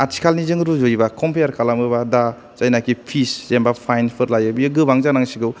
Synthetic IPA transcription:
atʰi̥kʰalnizɯŋɾuzojbakʰɔmpʰejaɾkʰalamɯbada | zajnakipʰiszembapʰajnpʰɯɾlajɯbiɯɡɯbaŋzanaŋsiɡɯw

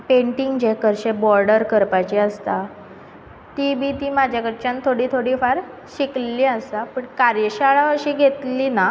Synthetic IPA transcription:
peɳʈiŋɡd͡ʑekəɾɕebɔɾɖəɾkəɾpat͡ɕiəst̪a | t̪ibit̪iːmad͡ʑʱjakəɽt͡ɕant̪ʰoɽiːt̪ʰoɽiːfaɾ | ɕikliəst̪apəɳkaɾjəɕaɭaəɕiːɡʱet̪lina

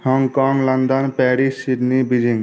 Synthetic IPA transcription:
hɔŋɡkɔːŋlənd̪ənpɛːɾissiɖnibid͡ʒĩŋɡ

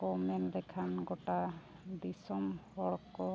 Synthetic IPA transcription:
ɡɔmɛnd̪ɛkʰanɡɔʈa | bisɔmhɔɽkɔ

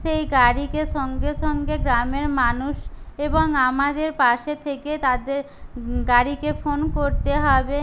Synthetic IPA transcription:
ʃejɡaɾikeʃɔŋɡeʃɔŋɡeɡɾameɾmanuʃeboŋamad̪eɾpaʃet̪ʰeket̪ad̪eɾ | ɡaɾikefonkoɾt̪eɦɔbe

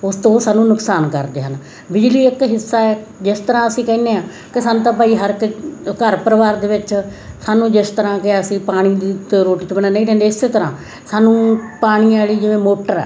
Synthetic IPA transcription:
ʊst̪õːsaːnũːnʊksaːnkə̰ɾd̪eːɦən | bɪd͡ʒliːɪkɦɪsːaːɛː | d͡ʒɪst̪əɾãːəsĩːkɛːneːãː | kɪsaːnũːt̪ãːpaːiːɦəɾkkəɾpəɾəʋaːɾd̪eːʋɪt͡ʃsaːnũːd͡ʒɪst̪əɾãːkɪəsĩːpaːɽ̃iːt̪eɾoːʈiːt͡ʃəbəɽ̃aːnə̃ĩːʈʰɛ̃ːnd̪eːɪseːt̪əɾãː | saːnũːpaːɽ̃iːaːliːd͡ʒɪʋẽːmoːʈəɾɛ̰ː

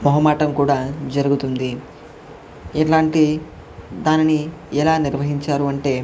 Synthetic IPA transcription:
mɔɦɐmaːʈɐmkuːɽaːd͡ʒɐɾuɡut̪und̪i | ɛʈlaːɳʈi | d̪aːniniɛlaːniɾʋɐɦiɲt͡ʃaːɾuɐɳʈe̞ː

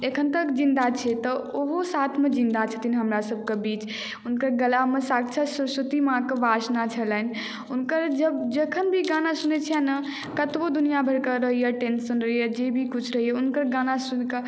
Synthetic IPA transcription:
ekʰənt̪əkd͡ʒĩnd̪at͡ʃʰɛt̪ɔoɦosat̪ʰmed͡ʒĩnd̪at͡ʃʰət̪inɦəmɾasəb̚ʱkebit͡ʃ | unkəɾɡəlamesak̚t͡ʃʰəsusut̪imãkebasnat͡ʃʰəlɛn | unkəɾd͡ʒəbd͡ʒekʰənbʱiɡanasunet͡ʃʰijɛnə | kət̪bod̪unijabʱəɾkəɾəɦijaʈensənɾəɦijad͡ʒebʱikut͡ʃʰɾəɦijeunkəɾɡanasunkə

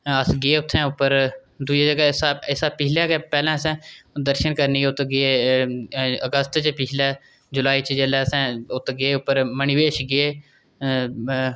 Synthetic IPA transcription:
əsɡeːʊt̪ʰːɛ̃ːʊpːəɾd̪ud͡ʒaːd͡ʒəɡɛːsaɪsaːpɪɦlɛːɡepɛːlɛ̃ːəsɛ̃ːd̪əɾʃənkəɾniʊt̪ɡee | əɡəst̪t͡ʃpɪt͡ʃʰlɛː | d͡ʒʊlaːiːt͡ʃd͡ʒeːlɛːsɛ̃ːʊt̪ʰːɡeːʊpːəɾmənɪʋeːʃɡɪeː

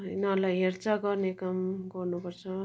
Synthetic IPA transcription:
ɦʌjnʌlajɦert͡saɡʌrnekamɡʌrnupʌrt͡sʰʌ

